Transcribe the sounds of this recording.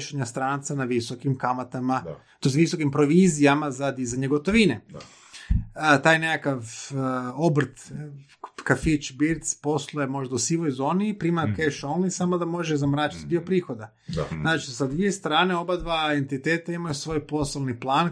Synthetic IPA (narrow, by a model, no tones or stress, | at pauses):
ʃeɲast̪ɾaːnt̪sanaʋisokimkamat̪ama | t̪oesʋisokimpɾo̞ʋiːzijamazad̪izaɲeɡo̞t̪o̞ʋine | t̪aːjne̞kakaʋ | obr̩t̪ | kafit͡ʃbiɾt̪spo̞slˠojemo̞ʒd̪ausiʋo̞jzo̞ːnipɾiːmakeʃonlisamod̪amo̞ʒezamɾaːt͡ʃi̥t̪d̪io̞pɾiːxo̞d̪a | znaːt͡ʃisad̪ʋije̞st̪ɾaːneo̞bad̪ʋaent̪it̪eːt̪aimajusʋo̞ːjpo̞salˠniplˠaːn